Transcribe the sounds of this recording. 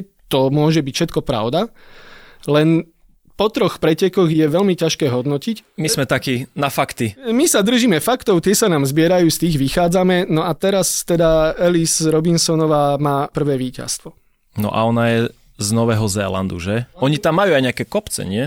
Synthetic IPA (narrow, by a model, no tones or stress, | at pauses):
t̪ɔmʊɔʒɛbicfʃɛt̪̚kɔpɾa̰ʊd̪a | lɛn | pɔt̪ɾɔxpɾɛcɛkɔɣjɛʋɛlmicaʃkɛːɦɔd̪nɔcicmizmɛt̪akiːnafakt̪imisad̪r̩ʒimɛfakt̪ɔʊt̪ɪɛsanaːmzbɪɛɾajuːst̪iːɣʋixaːd͡zamɛnɔat̪ɛɾast̪ɛd̪aɛlisɾɔbinsɔnɔʋaːmaːpr̩ʋɛːʋiːca̰st̪ʋɔ | nɔ̰ʔa̰ɔnajɛ | znɔʋɛːɦɔzɛ̰ːla̰nd̪ṵʒɛɔɲit̪amːajuajɲɛakɛkɔpt͡sɛ̰ɲɪɛ